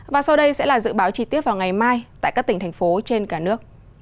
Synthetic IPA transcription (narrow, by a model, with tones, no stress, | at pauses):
vaː˨˩sa˧wɗə˧jsɛ̰˧˥laː˨˩zɨ̰˧˨ɓaː˨˦wt͡ɕi˧t̪i˦˥əp̚vaː˨˩wŋa˨˩jmaː˧jt̪a̰ː˧˨jkaː˦˥k̚t̪i˧˩ŋ̟t̪ʰŋ̟fo˨˦t͡ɕe˧nkaː˧˩nɨ˦˥ək̚